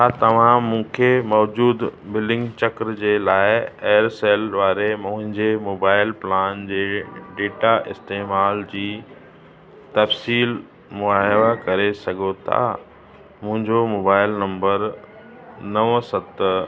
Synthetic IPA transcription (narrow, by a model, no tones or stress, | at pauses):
at̪ɐʋ̤ãmũːkʰemɔːd͡ʑuːd̪bɪlɖɪ̃ŋɡt͡ɕɐkɾd͡ʑeːlaːɪeːɾseːlʋaːɾemʊ̃ɦɪ̃ɲd͡ʑemoːbaːɪlplaːnd͡ʑeːɖeːʈaʔɪst̪eːmaːld͡ʑiː | t̪ɐfsiːl | mʊaɦɪʋakɐɾesɐɡʱot̪ʰa̰ | mʊ̃ɦɪ̃ɲd͡ʑomoːbaːɪlnɐ̃mbəɾ | nɐʋsɐt̪